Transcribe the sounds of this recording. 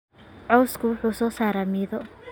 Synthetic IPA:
ʕɔwskʰʊwʊħuːsɔːsaːɾaːmɪðɔ

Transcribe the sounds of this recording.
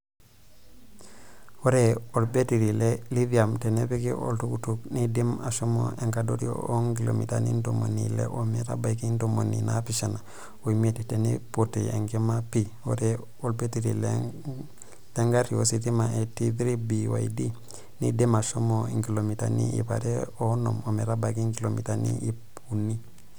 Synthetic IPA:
woɾeolbetiɾileliviamtenepikiʔo̰ltukutuknidimaʃomo̰eŋkadoɾḭoŋɡilo̰mita̰nḭndomo̰nilḛʔomita̰bajkindomoninapiʃana | oimittenepoteeŋɡemapi | oɾe | olpetiɾile | leŋɡaɾiositimaetidɾibiwa̰idi | nḭdimaʃomoiŋkilomitanḭḭpa̰ɾeonomomeɾabakiŋkilomitanḭʔi | unːi

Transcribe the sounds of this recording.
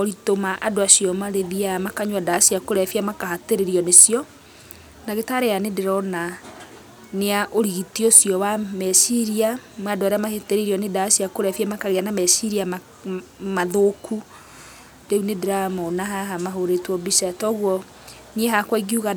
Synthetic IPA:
ɔɾitomaʔadoasiɔmaɾeðiamakaɲwadasiakoɾɛfiamakaɦateɾeɾiɔnesijɔ | naɣetaɾeanedeɾɔna | neaʔoɾiɣitiosjɔwamɛsiɾiamwadoaɾeamaheteɾeɾiɔnedasiakoɾɛfiamakaɣeanamɛsiɾiama | maðokʰu | deunedeɾamɔnaɦaɦamaɦoɾetwɔbisatɔɣwɔ | nieɦakwaiɣiuɣa

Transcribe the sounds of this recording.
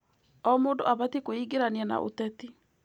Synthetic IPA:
ɔmoːndo̰ʔaβatikoiɡeɾaniɛna̰ʔo̰tɛti

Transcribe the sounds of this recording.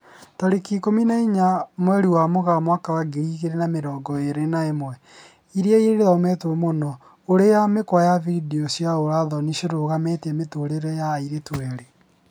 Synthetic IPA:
taɾekikominaiɲamwɛɾiwamoɣamwakawaɡiɾiɣeɾenameɾɔːɡɔeɾenaemwɛ | iɾeaiɾeɾeðɔmɛtomonɔ | oɾejamekwajavidiɔsjaoɾaðɔniʃeɾoɣametɛmetoɾeɾɛjaiɾetwɛɾe

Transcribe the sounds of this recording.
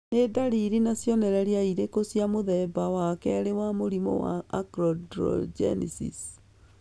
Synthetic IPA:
nedaɾiɾinasjɔnɛɾɛɾjaiɾekosjamoðɛbawakɛɾewamoɾimɔ̰wa̰akɾɔdɾɔ̰d͡ʒɛ̰nisḭs

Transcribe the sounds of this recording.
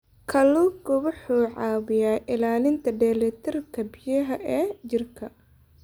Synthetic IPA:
kʰɐluɡʊwʊħuːʕɑːwɪjaːʔɪlaːlɪnt̪ʰɐɖɛːlɛt̪ʰɪrkʰɐbɪjɐɦɐʔɛːd͡ʒɪrkʰɐ

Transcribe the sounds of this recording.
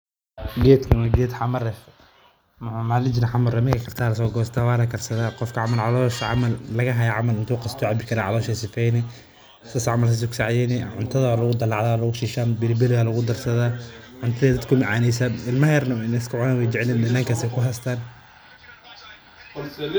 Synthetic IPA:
ɡɛːd̪kʰɐmɐɡɛːd̪ħɑmɐrɛf | mʊʕʊmalɪd͡ʒnɐħamɐrɛmɪkʰɐkʰɐrt̪ʰaːlɐs̬ɔːɡɔːst̪ʰawaːlɐkʰɐrsɐðaːqɔfkʰɐʕɑmɐlʕɑlɔːʃʕa̰mɐllɐɣɐɦɐjaʕamɐlɪnt̪ʰuːqɑst̪ʰɔʕabɪkʰɐɾaʕɑ̰lɔːʃɛsɪfɛjnɛ | sasʕamɐlsɐs̬ʊksaʕjɛːnɛʕʊ̰nt̪ʰɐðɐalɐɣʊd̪ɐlɑʕðaːlɐɣʊʃiːʃaːnbɪlbɪlɪɣalɐɣʊd̪ɐrsɐðaːʕʊnt̪ʰɐðɛːd̪ɐd̪kʰʊmɪʕaːnɛjsɐːnɪlmɐhɛrnɐɪnɛɪskʰʊʕʊnaːnwɛjt͡ʃɪʕliːndɐnaːŋkʰasɛjkʰʊɦast̪ʰaːn

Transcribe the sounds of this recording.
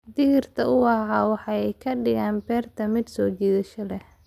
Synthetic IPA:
d̪ɪɣɪrt̪ʰɐʊwɑɦɑːwɑħɑɛjkʰɐɖɪɣaːnbɛːrt̪ʰɐmɪd̪sɔːt͡ʃɛːðɐʃɐlɛh

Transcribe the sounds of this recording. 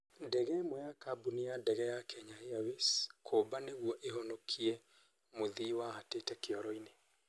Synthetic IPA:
dɛɣɛmɔjakabunijadɛɣɛjakʰɛɲaheaweskʰobaneɣuɔʔeɦɔnɔkʰiɛ | moðiwahatetɛkeɔɾɔine

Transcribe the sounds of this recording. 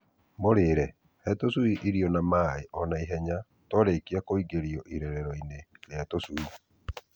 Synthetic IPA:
moɾeːɾɛ | hɛtosuiʔiɾiɔnamaeʔɔnaiɦɛɲa | tɔɾekiakoiɡeɾiɔʔiɾɛɾɛɾɔineɾeatosui

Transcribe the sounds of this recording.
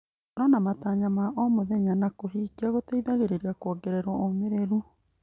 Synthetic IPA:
ɾɔnamataɲamaʔɔmoðɛɲanakoɦiːkiaɣoteiðaɣeɾeɾiakɔɡeɾeɾwɔomeɾeɾu

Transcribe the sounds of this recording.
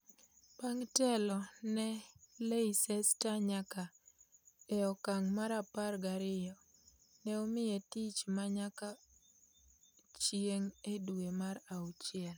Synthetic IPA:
paŋtɛlɔnɛleisɛstaɲaka | ɛɔkaŋmaɾaparɡaɾɪjɔ | nɛomɪjetit͡ʃmaɲaka | t͡ʃjeŋeduwemaɾaut͡ʃjɛl

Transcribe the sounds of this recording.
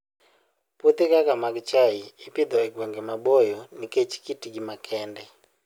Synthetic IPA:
put̪ikakamakt͡ʃaiipid̪ɔɛɡwɛŋɡɛmaɓɔjɔniket͡ʃi̥kitiɡimakʰɛndɛ

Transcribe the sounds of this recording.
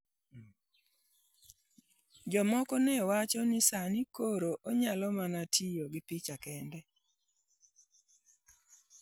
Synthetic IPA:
d͡ʒɔmɔkɔnewat͡ʃɔnɪsanikoɾoʔoɲalɔmanatʰijoɡɪpit͡ʃakɛndɛ

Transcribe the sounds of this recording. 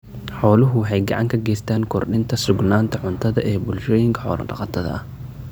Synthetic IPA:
ħɔːlʊɦʊwɑħɑjɡɑ̰ʕɑŋkʰɐɡɛːst̪ʰaːnkʰɔrɗɪnt̪ʰɐsʊɡnaːnt̪ʰɐʕʊnt̪ʰɐðɐ̰ʔɛːbʊlʃɔːjɪŋkʰɐ̥ħɔ̰ːlɐ̰ɖɑ̰qɑt̪ʰɐðɐ̰ɐh

